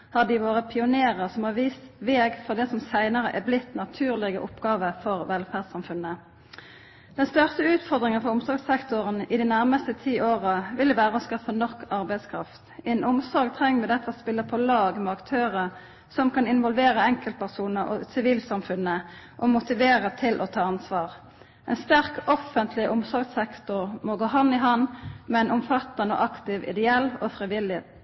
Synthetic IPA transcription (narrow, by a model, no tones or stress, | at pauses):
hɑʁd̪ɪʋoːʁəpʰɪʊneːʁəʁsɔmhɑʁʋiːst̪ʋeːɡfɔʁd̪ɛsɔmsæɪnəʁə̰ʔæblɪt̪ːnɑt̪ʰʉːʁlɪɡə̰ʔʊpɡɑːʋəfɔʁʋɛlfæːʁd̪sɑmfʉnə | d̪ɛnst̪œʁst̪əʉːt̪fɔʁd̪ʁɪŋənfɔʁʊmsɔɾɡsɛkt̪ʊʁənɪd̪ɪnæʁməst̪ət̪ʰiːʔoːʁəʋɪlʋæːʁəɔskɑfənɔkːɑʁbæɪskʰɾɑft̪ɛnʔʊmsɔɾɡt̪ʰʁɛŋːʋɪd̪ɛt̪ːəɑspɪlːəpʰɔlɑːɡmɛɑkt̪ʰøːʁə | sɔmkɑnɪnʋɔlʋeːɾəɛŋkəlt̪̚pæʁsuːnəɔ̰sɪʋiːlsɑmfʉnə | ʔɔmʊt̪ɪʋeːɾət̪ʰɪlʔɔt̪ʰɑːɑnsʋɑːʁ | ʔɛɪnst̪æʁkɔfənt̪ʰlɪʔʊmsɔɾɡsɛkt̪ʊʁmoɡoːɦɑnɪɦɑnmɛnʊmfɑt̪ːənɔ̰ʔɑkt̪ɪʋɪ̰d̪ɛɛlːɔfɾiʋɪlːɪ